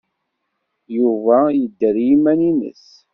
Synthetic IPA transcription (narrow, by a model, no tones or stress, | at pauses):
juvæjəd̪ːəɾjimæninə̰s